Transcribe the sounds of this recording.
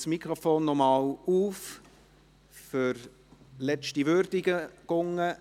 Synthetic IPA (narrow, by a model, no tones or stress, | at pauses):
smikɾɔfoːnːɔmɑːwuːf | fʏɾ | lɛt͡ʃtiʋøɾdɪɡəɡ̥ʊŋːə